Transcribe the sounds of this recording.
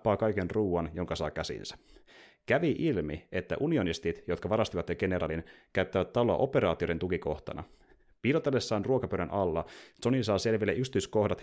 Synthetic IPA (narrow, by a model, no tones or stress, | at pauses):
pɑːkɑjke̞nruːɑnjo̞ŋkɑsɑːkæsḭnsæ̥kæʋiʔilmie̞t̪ːæ̰ʔunio̞nist̪it̪jo̞t̪̚kɑʋɑɾɑst̪iʋɑt̪jeɡe̞neɾɑ̰ːlinkæyt̪ːæʋæt̪t̪ːɑloɑ̰ʔo̞pe̞ɾɑːt̪iodet̪ukiko̞ht̪ɑ̰nɑ̰ | piːlot̪ːelːesːɑːnruokɑpøɥɾænʔɑlːɑso̞nisɑːse̞lʋilːeʔykst̪yysko̞hdɑt̪